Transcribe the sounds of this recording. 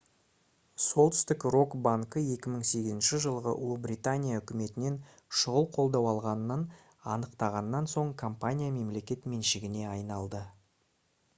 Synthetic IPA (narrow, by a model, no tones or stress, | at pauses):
so̞lˠt̪ʏ̥st̪ɪkro̞kbaŋkəje̞kʲɪməɴse̞ɡʲɪzɪnʃɪʒəlˠʁəʔʊ̰lˠubrʲit̪anʲijaʏkʲɪme̞t̪ɪne̞n | ʃʊʁəlˠqʰo̞lˠd̪ɑwɑlˠʁɑnənən | ɑ̰nəqt̪ɑʁɑnːɑnso̞ɴkʰompanʲijame̞mle̞kʲe̞t̪me̞nʃɪɡʲɪne̞ɑjnɑlˠd̪ə